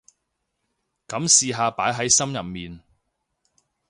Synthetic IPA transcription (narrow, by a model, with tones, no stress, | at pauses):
kɐ˨˥msiː˨˧ɦaː˧paː˨˥jɦɐ˨˥jsɐ˥mjɐ˨p̚miː˨n